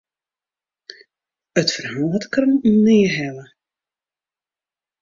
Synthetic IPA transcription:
ətfərɦaːtkənnɪːɦɛlə

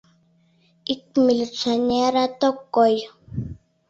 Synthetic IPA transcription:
ik̚milit͡saneɾat̪okːoj

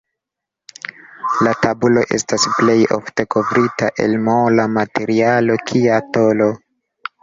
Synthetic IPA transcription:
latabulo̞ʔe̞stasple̞jo̰fte̞ko̞vɾitaʔe̞̰lmolamate̞ɾialo̞kʰiatolo̞

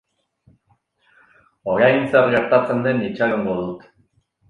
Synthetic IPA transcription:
oɾajnt͡sarɣe̞ɾt̪at͡se̞nd̪e̞nit͡ʃaɣoŋɡoðut̪

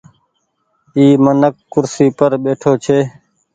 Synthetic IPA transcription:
iːmənəkːʊɾsiːpəɾɓeːʈʰoːt͡ʃʰeː

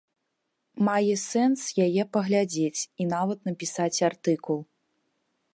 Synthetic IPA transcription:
majɛsɛnsjajɛpɐɣlʲad͡zʲet͡sʲinavɐt̪nɐpʲisat͡sʲart̪ɨkulˠ

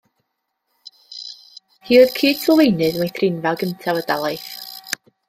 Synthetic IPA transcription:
hiːɔðkʰiːd̥səlˠejnɨðmajθrɪnvaɡəntʰavədalˠajθ

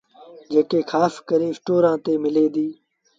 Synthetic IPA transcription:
d͡ʒeːkeːxʰaːskəɾẽːsʈoːɾãːt̪eːmɪleːd̪iː

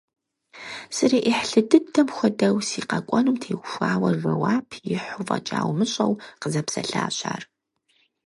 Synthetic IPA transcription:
sɨɾeːʔiħɬɨdɨdʰɐmxʷɔdɐwsiːqɐkʷʼɔnumtʰeːɡʷʊʃʷaːwɐʒʷɐwaːpʰjɪħʊvɐ̰t͡ʃʼa̰ːwmɨɕʼɐwqəzɐpsɐ̰ɬa̰ːɕʼa̰ːr

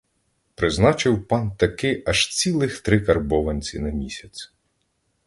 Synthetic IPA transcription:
pɾɪznɑt͡ʃɪwpɑnt̪ɐkɪʔɐʃt͡sʲilˠɪxt̪ɾɪkɐrbɔʋɐnʲt͡sʲinɐmʲisʲɐt͡sʲ

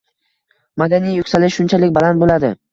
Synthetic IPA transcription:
mad̪anijjʊkʲsalɪʃʃʊnt͡ʃʰalɪkʲbalant̪bolad̪ɪ

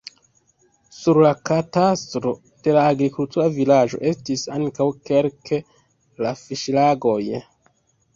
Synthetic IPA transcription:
suɾlakatastɾo̞ | d̥e̞laːɡɾikultuɾavilad͡ʒo̞̰ʔe̞stisaŋkawke̞lkʰe̞ | lafiʃlaɡo̞j

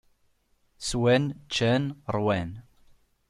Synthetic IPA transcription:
swænt͡ʃːænɾˤwæn

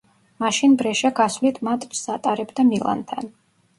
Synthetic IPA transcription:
maʃinbɾɛʃaɡasvlit̪ʰmat̪ʼpsat̪ʼaɾɛbd̪amilˠa̰nt̪ʰan

